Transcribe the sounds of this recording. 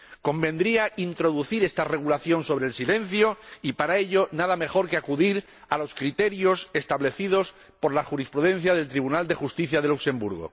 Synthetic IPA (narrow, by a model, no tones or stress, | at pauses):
ko̞mbẽ̞nd̪ɾiaint̪ɾo̞ðuθiɾe̞st̪are̞ɣ̞ulaθjo̞nso̞βɾelsile̞n̟θjoipaɾae̞ʎo̞naðame̞xo̞ɾke̞akuðiɾ | alo̞skɾit̪e̞ɾjo̞se̞st̪aβle̞θið̞o̞s | po̞ɾlaxuɾispɾuðẽ̞n̟θjaðe̞lt̪ɾiβ̞unald̪e̞xust̪iθjaðe̞lukse̞mbuɾɣo̰